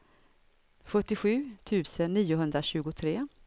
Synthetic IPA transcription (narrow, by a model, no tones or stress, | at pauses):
ɧœʈːɪɧʉ̟ːt̪ʰʉ̟ːsənːiːʊɦɵnd̪ɾaɕʉ̟ːɡʊt̪ʰɾeː